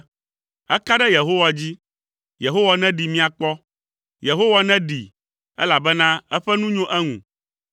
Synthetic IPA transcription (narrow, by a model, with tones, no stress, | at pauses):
ɛ̰˦ka˦ɖɛ˦je˨ɦo˦wa˨d͡ʑi˦ | je˨ɦo˦wa˦nɛ̃˦ɖi˨mĩ˦a˨k͡pɔ˦ | je˨ɦo˦wa˦nɛ̃˦ɖi˨ | ɛ̰˦la˨bɛ˦nã˦ɛ˦ɸɛ˦nũ˦ɲõ˦ʔɛ˦ŋṵ̃˨